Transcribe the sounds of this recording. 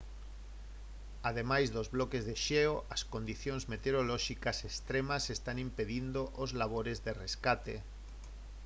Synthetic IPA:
aðemajzðozβlɔkezðeʃeoʔɐskond̪iθjonzmet̪eɾolɔʃikasest̪ɾemasest̪animpeðind̪oʔozlaβ̞oɾezðereskat̪ḛ

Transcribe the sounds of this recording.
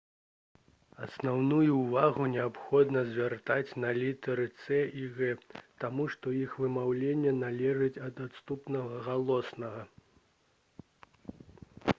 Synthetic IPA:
ɐsnawnujuːvaɣunʲɛapxɔd̪nɐzʲvʲart̪at͡sʲnɐlʲit̪ɐɾɨt̪sɛʔiɣɛt̪amuʂt̪ɔjixvɨmawlʲenʲːɛnalʲɛʐɨt͡sʲɐd̪at̪st̪upnɐɣɐɣalˠɔsnɐɣɐ

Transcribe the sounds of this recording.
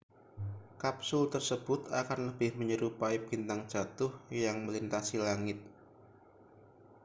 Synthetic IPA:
kap̚sʊlt̪ərsəb̥ʊt̪a̰kanləbɪhməɲəɾupaibint̪aŋ̥d͡ʒ̥at̪ʊhjaŋməlint̪asilaŋɪt̪̚

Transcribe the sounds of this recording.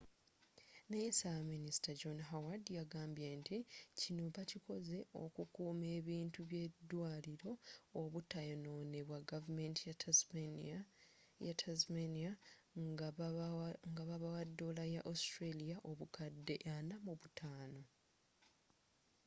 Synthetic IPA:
nejesaminisi̥taɟonɦawadjaɡaːmbje̞ːnticinuːpaciko̞ze̞o̞̰kukuːme̞ːβiːntuβje̞dːwaːliɾo̞ːβutːajono̞ːne̞βwaɡavume̞ntija | jatʰazmenia | ŋɡaβaβawadːolajaʔostɾelijaʔo̞βukadːe̞̰ʔanamuβutʰaːno̞

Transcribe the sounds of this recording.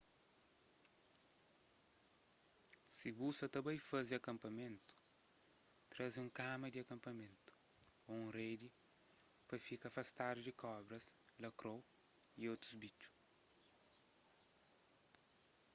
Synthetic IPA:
sibusɐt̪ɐbɐ̃jfɐziɐkɐ̃mpɐmẽnt̪u̥ | t̪ɾɐziũŋkamɐd̪iɐkɐ̃mpɐmẽnt̪u̥ | oũred̪i | pɐfikɐfɐst̪ad̪ud̪ikʰɔbɾɐslɐkɾow | iot̪ɾuzbit͡ʃu̥

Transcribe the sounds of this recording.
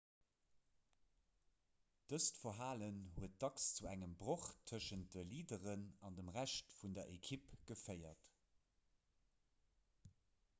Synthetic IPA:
d̥əstfɐɦaːlənhuət̚d̥ɑkst͡suæŋəmbʁoχtʰəʃənt̚d̥əliːdəʁənɑndəmʁæʃtfundɐʔekʰipɡ̥əfɜɪɐt

